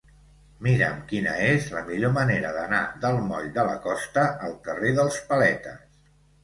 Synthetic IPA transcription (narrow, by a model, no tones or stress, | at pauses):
miɾə̰mkinə̰ezləmiʎoməneɾəðəna̰ðəlˠmɔʎd̪ələ̰kɔst̪əʔːlˠk̪əreðəlˠspəlɛt̪əs